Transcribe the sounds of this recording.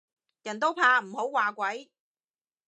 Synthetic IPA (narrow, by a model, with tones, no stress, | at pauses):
jɐ˨˩nt̪o˥wpʰaː˧m̩˨˩ho˨˥wwaː˨˩kʷɐ˨˥j